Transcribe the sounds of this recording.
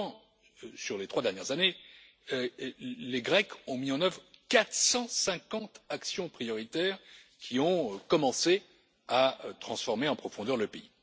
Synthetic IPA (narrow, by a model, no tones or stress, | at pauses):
syʁlet̪χwad̪ɛʁnjɛʁzane | leɡʁɛkɔ̃miɑ̃nœvʁkat̪χsɑ̃sɛ̃kɑ̃t̪aksjɔ̃pχijɔʁit̪ɛʁkʲʰiɔ̃kɔmɑ̃se | at̪χɑ̃sfɔʁmeɑ̃pχɔfɔ̃d̪œʁləpei